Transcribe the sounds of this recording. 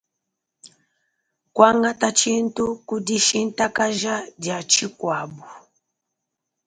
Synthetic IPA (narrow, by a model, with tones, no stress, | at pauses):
kwa˦ŋɡa˦ta˦t͡ʃi˦n˦tu˦ku˦di˦ʃi˦n˦ta˦ka˦ʒa˦ɟa˨t͡ʃi˦kwa˨bu˨